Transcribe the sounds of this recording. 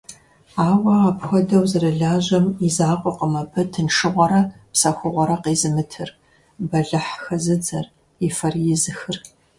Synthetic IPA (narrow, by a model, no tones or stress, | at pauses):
aːwɐapxʷɔdɐwzɨrɐɮaːʑɐmizaːqʷʼɔqəmɐbʰɐtʰɨnʂɨʁʷɔɾɐpsɐxʷʊʁʷɔɾɐqeːzɨmɨtʰɨr | bɐɮɨħxɐzɨd͡zɐr | ifɐrjɪzɨxɨr